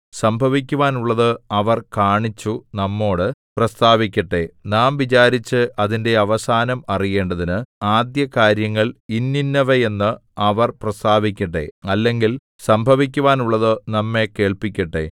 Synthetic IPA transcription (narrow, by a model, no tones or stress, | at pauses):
sɐmbʱɐʋik̬ʲːuʋaːnuɭːɐðɨɐʋɐrkaːɳit͡ɕːunɐmːo̞ːɽɨprɐst̪aːʋikʲːɐʈːe̞naːmʋit͡ɕaːɾit͡ɕːɨʔɐðinde̞ɐʋɐsaːnɐmɐrije̞ːɳɖɐðinɨaːd̪jɐkaːɾjɐŋːɐɭinːinːɐʋɐje̞nːɨɐʋɐrprɐst̪aːʋikʲːɐʈ̬ːe̞̰ɐlːe̞ŋɡil | sɐmbʱɐʋik̬ʲːuʋaːnuɭːɐðɨnɐmːe̞ke̞ːɭpikʲːɐʈːe̞̰